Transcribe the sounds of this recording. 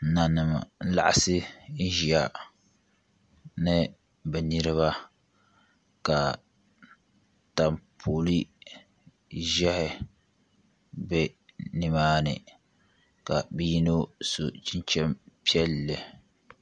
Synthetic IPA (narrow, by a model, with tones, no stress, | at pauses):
na˨nɨ˨ma̰˨˦la̰˦ʔa˦sɪ˦n̩˦ʒi˨a˨ | nɨ˦ | bɛ˨ni˦ɾɨ˦βa˦ | ka˨ | ta˨mpʰoː˨li˦ | ʒɛ˦hɪ˦ | bɛ˦ | nɪ˦maː˦nɨ̰˨ | ka˨bi˦ji˦no˦so̰˨t͡ʃi˦nt͡ʃɛ˦mpi˦ɛ˦lːɪ˨